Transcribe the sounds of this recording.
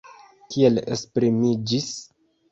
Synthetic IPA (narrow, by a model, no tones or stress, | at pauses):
kie̞lḛspɾimid͡ʒis